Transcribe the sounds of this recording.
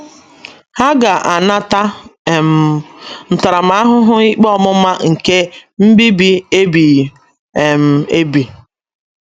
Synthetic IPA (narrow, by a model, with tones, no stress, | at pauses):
ha˦ɡa˨ʔa˨na˦ta˦˨m̩˨n̩˨ta˨ɾa˨ma˦a˦ɦʊ˦ɦʊ˦i˦k͡pɔ˦mʊ˦ma˦ŋ̩˨ke˦m̩˦bi˦bi˦e˦bi˨ | e˨m̩˨e˦bi˨